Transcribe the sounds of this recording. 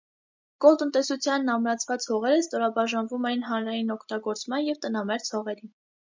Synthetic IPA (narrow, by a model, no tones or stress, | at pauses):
kɔlt̪ənt̪ɛsut͡sʰjɑnːɑmɾɑt͡sʰvɑt͡shɔʁɛɾəst̪ɔɾɑbɑʒɑnvumɛjinɦɑnɾɑjinɔkʰt̪ɑɡɔɾt͡smɑnjɛvt̪ənɑmɛɾt͡sʰhɔʁɛɾi